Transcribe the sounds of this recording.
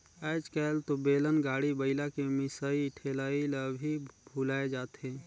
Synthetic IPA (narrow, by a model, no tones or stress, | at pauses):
əːd͡ʒkɛlt̪obeːlənɡaːɽibəɪlakemɪsaiʈʰelailəbʱibʱulaːed͡ʒaːt̪ẽ